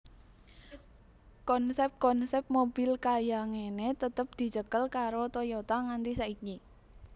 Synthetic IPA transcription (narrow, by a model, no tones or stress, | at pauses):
kɔnsɛp̚kɔnsɛp̚mob̥ɪlkajaŋenet̪ət̪əp̚d̪̥i̤t͡ʃəkəlkaɾot̪ojot̪aŋant̪isaʔiki